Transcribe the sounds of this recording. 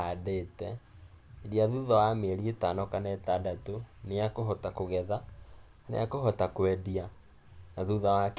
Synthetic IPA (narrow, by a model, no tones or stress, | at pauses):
adeːtɛ | ediaðuðawameɾietanɔkanɛtadatoneakoɦɔtakoɣɛða | nḛjakoɦɔtakwɛdia | naðuðawak